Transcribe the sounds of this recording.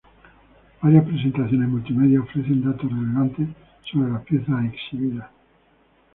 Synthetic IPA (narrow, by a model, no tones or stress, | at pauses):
b̥aɾjaspɾes̬e̞nt̪aθjo̞nezmult̪ime̞ðjaofɾe̞θe̞nd̪at̪oreleβant̪e | soβɾelapjeθaeksiβiða